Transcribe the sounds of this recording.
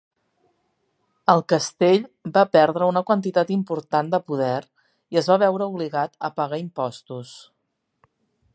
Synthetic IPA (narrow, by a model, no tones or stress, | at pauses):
əlˠkəst̪eʎbapɛɾðɾəunəkwənt̪it̪at̪impuɾt̪and̪əpuðɛr | iəzβaβ̞ɛwɾəuβliɣat̪əpəɣaimpɔst̪us